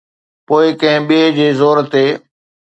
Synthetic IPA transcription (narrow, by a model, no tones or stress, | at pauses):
poːɪkɐ̃ɦɪ̃ɓid͡ʑeːzoːɾt̪eː